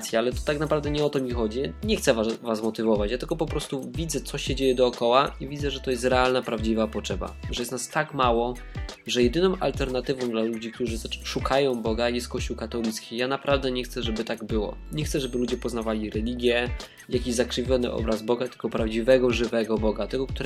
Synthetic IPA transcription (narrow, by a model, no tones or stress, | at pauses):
t̪sʲjaalɛt̪ɔ̥t̪aknapɾavd̪ɛɲɛɔt̪ɔmʲixɔd͡ʑiɲɛxt̪sɛvavasmɔt̪ɘvɔvat͡ɕjat̪ɘlkɔpɔpɾɔst̪uvʲid̪zɛt̪sɔɕɛd͡ʑejɛd̪ɔːkɔwaivʲid̪zɛʐɛt̪ɔjɛst̪ɾɛalnapɾavd͡ʑivapɔtʂɛba̰ʐɛjɛst̪nast̪akmawɔ | ʐɛjɛd̪ɘnɔ̃w̃ʔalt̪ɛɾnat̪ɘvɔ̃w̃d̪lalud͡ʑik̚t̪uʐɘt̪ʂukʰajɔ̃w̃bɔɡajɛst̪̚kɔɕt͡ɕuwkat̪ɔlʲit̪skʲijanapɾavd̪ɛɲɛxt̪sɛʐɛbɘt̪aɡbɘwɔ̰ɲɛxtsɛʐɛbɘlud͡ʑɛpɔznavalʲiɾɛlʲiɡʲjɛ | jakʲiʑzakʂɘvʲjɔnɘ̰ʔɔ̰bɾazbɔɡat̪ɘ̥ɡɔpɾavd͡ʑivɛɡɔʐɘvɛɡɔbɔɡat̪ɛɡɔk̚t̪uɾ